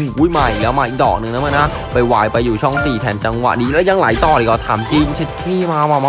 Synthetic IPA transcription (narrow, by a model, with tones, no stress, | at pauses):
u˨˦˥jma˨˩jlɛː˦˥wmaː˧ʔi˨˧˩k̚dɔː˨˩k̚nɯ˨˧ŋnaː˦˥maː˧˥na˦˥ | pa˧jwaː˧jpa˧jːuː˨˩t͡ɕʰɔ˥˩ŋsiː˨˩t̪ʰɛː˨˩˦nt͡ɕa˧ŋwa̰˨˩ʔdiː˧lɛː˦˥wja˧ŋlaː˩˦jt̪ɔː˨˩ɾi˨˩kɔː˧˩t̪ʰa̰ː˩˦mt͡ɕi˧ŋt͡ɕʰe˧˥t̪̚kʰiː˥˩maː˧maː˧ma˦